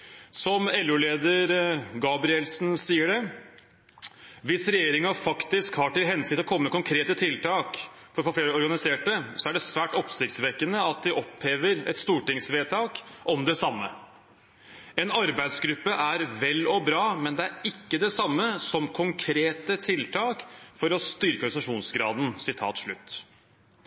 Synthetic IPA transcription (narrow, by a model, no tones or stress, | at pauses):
sɔmɛlʉːleːd̪əɾɡɑːbɾɪɛlsn̩siːəɖɛ | ʋɪsɾɛjeːɾɪŋɑfɑkt̪ɪskhɑʈɪlɦɛnsɪt̪ɔkʰɔməːməkʰʊŋkʰɾeːt̪ət̪ʰɪlt̪ʰɑːk | fɔɾfɔɾfleːɾəɔɾɡɑnɪseːʈəsɔæɖɛsʋæːʈɔpsɪkt̪sʋɛkːənəɑt̪̚d̪ɪʔɔpheːʋəɾɛ̰t̪st̪uːʈɪŋsʋeːt̪ʰɑːkʔɔmd̪ɛsɑmːə̰ | ɛnɑɾbæɪd̪sɡɾʉpːəʔæɾʋɛlːɔbɾɑːmɛnd̪ɛæɾɪkːəd̪ɛsɑmːəsɔmkʰʊŋkʰɾeːt̪ət̪ʰɪlt̪ʰɑːkfɔɾɔst̪ʏɾkəɾsɑʂuːnsɡɾɑːd̪n̩sɪt̪ʰɑ̰ːt̪ʂɭʉt̪ː